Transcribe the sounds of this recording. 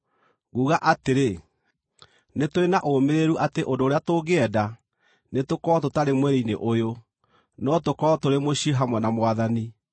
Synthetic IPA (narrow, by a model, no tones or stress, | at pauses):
ɣuːɣaʔateɾe | netoenaʔomeɾeɾuʔateʔondoːɾeatoːɣeɛda | netokɔɔtotaɾemwɛɾeineʔojo | nɔtokɔtoɾemoɕiɦamwɛnamwaðani